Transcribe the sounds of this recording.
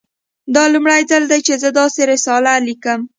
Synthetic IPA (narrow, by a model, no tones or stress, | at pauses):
d̪ɑlumɽajzald̪ajt͡ʃezəd̪ɑseɾɪsɑlalikəm